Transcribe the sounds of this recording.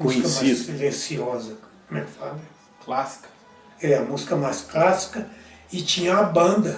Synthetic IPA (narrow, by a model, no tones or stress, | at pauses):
mzĩkɐmaiselesiɔzɐ | mẽfad̪ɾe | klasi̥kɐ̥ | ɛɛɐmuzikɐmajsklasi̥kɐ | ɪt͡ʃĩɲɐabɐ̃d̪ɐ